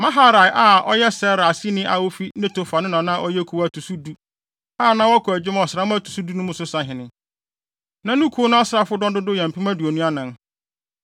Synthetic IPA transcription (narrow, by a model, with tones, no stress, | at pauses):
mã˦ɦa˦ɾa˨ɪ˨ʔa˦ʔɔ̰˦jɛ˦sɛ˦ɾa˨si˦nɪ̃˦ʔa˨wo˦fi˦nɪ̃˦tʊ˨fa˨nɪ̃˦nã˨nã˦˨ʔɔ˦jɛ˦kʰu˨wa˦tʰu˨su˦du˦ | aː˦˨nã˦wɔ˦kʰɔ˨æ˨d͡ʑɪ˦m˦˨ɔ˨sɪ˨ɾa˦m̃˦a˦tʰu̥˨su˦du˦nʊ̃˦mʊ̃˦sʊ˦sã˨ɦɪ̃˨nɪ̃˨ | nã˦nũ˦kʰu˨˦o˦nʊ̃˦ɔ˦sɾa˦fʊ˦dɔ̃˦dʊ˦dʊ˦jɛ̃˨m̩˨pʰi˦mã˦du˨o˨nũ˦a˦nã˨n